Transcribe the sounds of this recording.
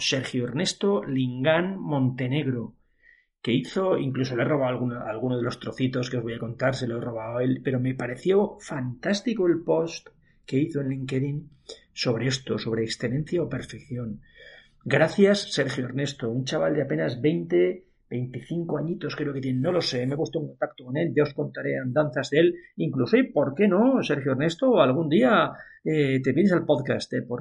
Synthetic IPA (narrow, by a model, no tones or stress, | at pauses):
se̞ɾxjoeɾne̞st̪o̞liŋɡanmõ̞nt̪e̞ne̞ɣɾo | ke̞iθo̞ḭŋkluso̞loero̞β̞awalɣunalɣunoðe̞lo̞st̪ɾoθit̪o̞skeo̞zβojako̞nt̪aɾseloero̞β̞awe̞lpe̞ɾo̞me̞paɾe̞θjo̞fant̪ast̪ikoe̞lpo̞st̪ | ke̞iθoenliŋke̞ðin | so̞β̞ɾe̞e̞st̪o̞so̞βɾeːksθe̞le̞n̟θjaope̞ɾfe̞kθjo̞ŋ | ɡɾaθjasːe̞ɾxjoeɾne̞st̪o̞unt͡ʃaβald̪eape̞nazβe̞jnt̪e̞ | be̞jnt̪iθiŋko̞aɲit̪o̞skɾe̞oket̪̬jenenːo̞lo̞se̞mepwust̪oeŋko̞nt̪ak̚t̪o̞ko̞ne̞lʝao̞sko̞nt̪aɾe̞and̪an̟θazðe̞liŋklusoipo̞ɾke̞no̞se̞ɾxjoeɾne̞st̪oalɣ̞und̪ia | et̪e̞βje̞nesalpo̞ðkast̪epoɾ